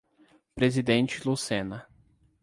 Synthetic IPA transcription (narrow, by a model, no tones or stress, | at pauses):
pɾezid̪ẽnt͡ʃɪlusẽnɐ